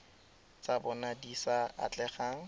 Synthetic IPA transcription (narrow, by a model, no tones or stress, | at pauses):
t͡sabɔnadisaa̰t͡ɬɛχaŋ̩